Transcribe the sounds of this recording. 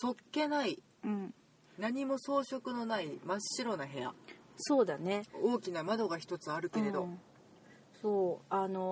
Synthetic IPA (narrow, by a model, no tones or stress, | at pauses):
so̞kːe̞nai | ɯ̟̃ɴ | naɲ̟imo̞so̞ːɕo̞kɯ̟no̞naimaɕːiɾo̞naɦe̞a̰so̞ːd̪ane̞o̞ːkʲinamad̪o̞ɡaçi̥t̪o̞t͡sɨaɾɯ̟ke̞ɾe̞d̪o̞̰ | soːano̞